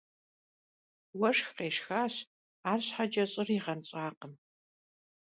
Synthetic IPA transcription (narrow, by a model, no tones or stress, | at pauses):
wɐʂxqeːʂxaːɕ | aːrɕħad͡ʒʼɐɕʼɪriʁɐnɕʼaːqəm